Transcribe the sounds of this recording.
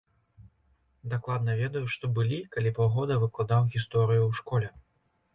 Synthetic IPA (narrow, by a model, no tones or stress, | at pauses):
d̪aklˠad̪̚nɐvʲɛd̪ɐjuʂt̪ɔbɨlʲikalʲipawɣɔd̪ɐvɨklˠad̪awɣʲist̪ɔɾɨjuwʂkɔlʲɛ